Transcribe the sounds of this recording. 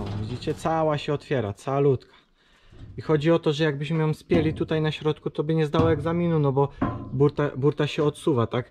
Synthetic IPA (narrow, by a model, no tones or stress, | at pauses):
vʲid͡ʑit͡ɕɛt̪sawaɕɛɔt̪fʲjɛɾat̪sawalut̪kḁ | ixɔd͡ʑiɔt̪ɔʐɛjaɡ̚bɘɕmɘjɔ̃mspʲjelʲit̪ut̪ajnaɕɾɔt̪kut̪ɔbɘɲɛzd̪awɔɛɡzamʲinunɔbɔbuɾt̪abuɾt̪aɕɛɔt̪suvat̪ak